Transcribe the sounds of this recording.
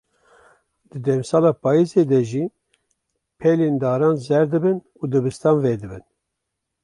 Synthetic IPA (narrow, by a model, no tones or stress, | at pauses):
d̪̥ɨd̪ɛmsɑːlɑːpʰɑːjizeːd̪ɛʒiː | pʰɛleːnd̪ɑːɾɑːnzɛɾd̪ɨbɨn | ud̪ɨbɨst̪ɑːnveːd̪ɨbɨn